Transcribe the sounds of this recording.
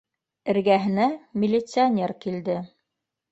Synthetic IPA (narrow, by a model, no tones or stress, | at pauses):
ɘ̆ɾɡæɦɘ̆næmʲɪlʲːɪt̪sɨonʲe̞rkild̪ɘ